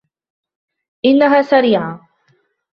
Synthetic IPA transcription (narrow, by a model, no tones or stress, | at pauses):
ʔɪnːaɦaːsaɾiːʕa